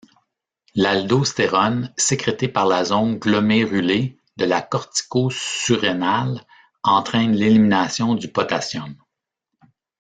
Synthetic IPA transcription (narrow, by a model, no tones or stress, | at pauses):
lald̪ost̪eʁɔnsekʁet̪epaʁlazɔ̃nɡlɔmeʁyle | d̪əlakɔʁt̪i̥koyʁenal | ɑ̃t̪χɛ̃nleliminasjɔ̃d̪ypɔt̪asjɔn